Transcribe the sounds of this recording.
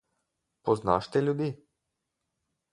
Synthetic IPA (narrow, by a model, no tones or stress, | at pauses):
pɔzna̰ːʃt̪ɛlʲjud̪iː